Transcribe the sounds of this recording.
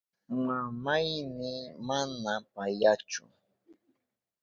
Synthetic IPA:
mamajmɪmanapajat͡ʃʊ̰

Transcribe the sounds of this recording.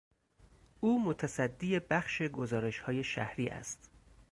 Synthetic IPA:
ʔuːmot̪ʰæsæd̪ːiːje̞bæxʃe̞ɡozɒːɾe̞ʃhɒːje̞ʃæ̰hɾiːʔæ̰st̪

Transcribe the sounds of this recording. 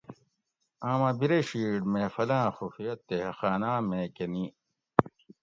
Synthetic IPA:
ãːmãbiɾeɕiːɖmẽfɐlãːxufijɐt̪ːehɐxaːnãːmẽːkeni

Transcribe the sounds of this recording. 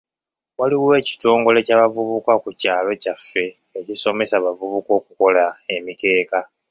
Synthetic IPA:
waliwe̞ːci̥to̞ːŋɡo̞le̞caːβavuβukakucaːlo̞cafːe̞ː | ciso̞me̞saβavuβuko̞ːkuko̞lae̞mite̞ːka

